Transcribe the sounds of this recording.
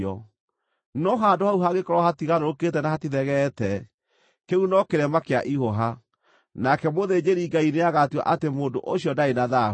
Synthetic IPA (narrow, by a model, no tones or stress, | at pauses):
ɔ | nɔɦaːndohauɦaɣekɔɾwahatiɣaɾoɾoketɛnahatiðɛɣɛtɛ | keunɔkeɾɛmakeaʔihoɦa | nakɛmoðed͡ʑeɾiŋɡaineaɣatiwa̰ʔatemoːdo̰ʔoɕjɔdaenaða